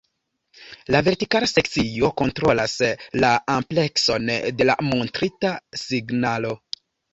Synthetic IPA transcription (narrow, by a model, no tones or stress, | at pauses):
lave̞ɾtikalase̞k̚t͡sio̞ko̞ntɾo̞laslaample̞kso̞nde̞la̰mo̞ntɾitasiɡnalo̞